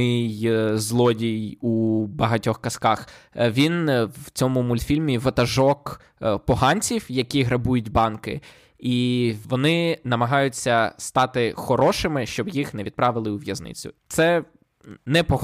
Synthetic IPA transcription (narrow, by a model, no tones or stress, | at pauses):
ɪjzlˠɔdʲijubɐɦɐtʲɔxkɐskɑxʋʲinwt͡sʲɔmʊmulʲt̪fʲilʲmʲiʋet̪ɐʒɔk | pɔɦɑnʲt͡sʲiwjɐkʲiɦɾɐbujʊtʲbɑnkɪ | iʋɔnɪnɐmɐɦɑjʊt͡sʲːɐst̪ɑt̪ɪxɔɾɔʃɪmɪʃt͡ʃɔbjixnɛʋʲid̪pɾʔɑʋɪlˠɪʊʋjɐznɪ̰t͡sʲʊ̰t̪sɛ | nɛpɔ